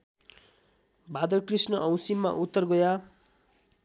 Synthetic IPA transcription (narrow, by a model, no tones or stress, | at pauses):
bʱad̪ʌkrisnʌʔʌ̃w̃simːa̰ʔut̪ːʌrɡʌja